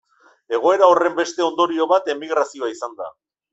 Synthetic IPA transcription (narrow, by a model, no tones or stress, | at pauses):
e̞ɣ̞o̞e̞ɾao̞re̞mbe̞st̪e̞o̞nd̪o̞ɾio̞βat̪e̞miɣɾasio̞aisand̪a̰